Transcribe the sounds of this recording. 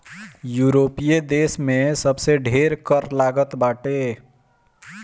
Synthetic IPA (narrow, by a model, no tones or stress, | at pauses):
juɾopijed̪esmesʌbseɖʱeɾkʌrlaɡʌt̪baʈe